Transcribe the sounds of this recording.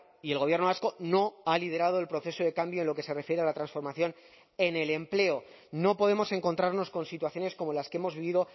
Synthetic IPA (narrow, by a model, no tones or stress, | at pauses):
ie̞lɣo̞βjeɾnoasko̞no̞aliðe̞ɾað̞oe̞lpɾo̞θe̞so̞ðe̞kambjo̞enlo̞ke̞se̞re̞fjeɾe̞alat̪ɾansfo̞ɾmaθjo̞n | ene̞le̞mple̞o | no̞po̞ð̞e̞mo̞se̞ŋko̞nt̪ɾaɾno̞sko̞nsit̪waθjo̞ne̞sko̞mo̞laskeemo̞zβiβiðo̞